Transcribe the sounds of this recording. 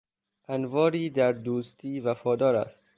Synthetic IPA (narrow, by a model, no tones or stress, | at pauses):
ʔænvɒːɾiːd̪æɾd̪uːst̪ʰiːvæfɒːd̪ɒːɾæ̰st̪